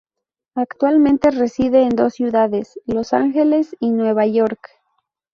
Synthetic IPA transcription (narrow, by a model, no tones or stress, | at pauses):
akt̪walmẽnt̪e̞resiðeːnd̪osjuðaðeslo̞saŋxe̞le̞sinwe̞βaʝoɾk